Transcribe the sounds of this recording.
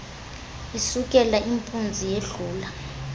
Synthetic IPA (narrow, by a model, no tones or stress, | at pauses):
isukʼɛlaʔimpʰʼund͡zʱijeɮuːla